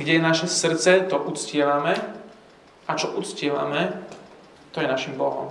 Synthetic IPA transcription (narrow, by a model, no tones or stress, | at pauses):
ɡɟɛjɛnaʃɛsr̩t̪t͡sɛt̪ɔʔut͡scɪɛʋamɛ | ʔat͡ʃɔʔut̪t͡scɪɛʋa̰mɛ | t̪ɔjɛnaʃimbɔɦɔ̰m